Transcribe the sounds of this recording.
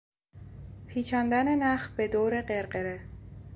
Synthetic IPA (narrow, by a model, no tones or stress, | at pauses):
pʰiːt͡ʃʰæːnd̪ænenæx̚be̞d̪oːɾe̞ɢe̞ɾɢeɾe